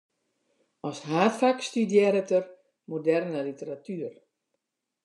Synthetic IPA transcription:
ɔsɦaːtfakstydjɛɾətər | modɛrnəlitəɾatyər

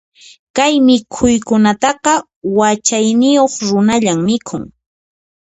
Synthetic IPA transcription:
kajmɪkʰʊjkʊnat̪ɑqɑ | wat͡ʃajnɪjoχɾʊnaʎammɪkʰʊŋ

